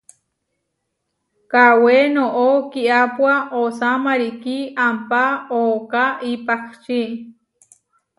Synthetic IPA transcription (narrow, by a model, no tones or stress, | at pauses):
kawenoʔokiʔapwaʔosamaɾikiampaokaʔipakt͡ʃi